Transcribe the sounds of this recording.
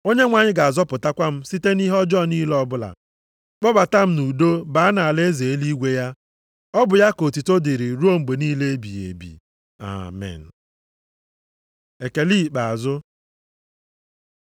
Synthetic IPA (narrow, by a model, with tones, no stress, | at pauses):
o˦ɲe˦ŋʷa˨ɲɪ˦ɡa˨a˨zɔ˦pʊ˨ta˦kʷa˦m̩˦si˦te˦ni˦ɦɔ˦d͡ʒɔ˦˨ni˦lɔ˦bʊ˦la̰˨ | k͡pɔ˦ba˨ta˦m̩˦nu˨do˦ba˨˦a˦na˨a˨le˦ze˨e˦li˦ɡʷe˦ja˦ | ɔ˦bʊ˨ja˦ko˨ti˨to˦di˨ɾi˨ɾu˦o˦ŋ͡m̩˨ɡ͡be˨niː˦le˦e˦bi˨ḛ˨bḭ˨ | a̰˨mɛ̰˨n̩˨ | e˨ke˨li˦˨k͡pa˨zʊ˦